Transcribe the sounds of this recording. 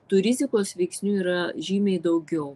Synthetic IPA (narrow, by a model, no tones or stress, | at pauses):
t̪ʊɾʲɪzʲɪkoːsʋʲɛɪksʲnʲuːiːɾɐʒʲiːmʲɛɪd̪ɐʊɡʲɛʊ